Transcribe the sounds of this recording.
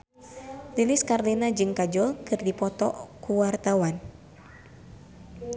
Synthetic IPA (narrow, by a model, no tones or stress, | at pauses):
liliskarlinad͡ʒɨŋkad͡ʒɔlkɨrdipɔt̪ɔ̰kuwart̪awan